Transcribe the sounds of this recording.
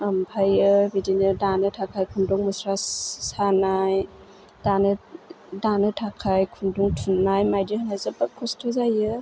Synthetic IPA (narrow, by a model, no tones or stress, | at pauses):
ampʰajɯbidinɯdanɯtʰakʰajkʰundɔŋmɯsɾasanaj | d̥anɯ | danɯtʰakʰajkʰunduŋtʰunːajmajdihɯnajzɯbakʰːɔstʰɯzajɯ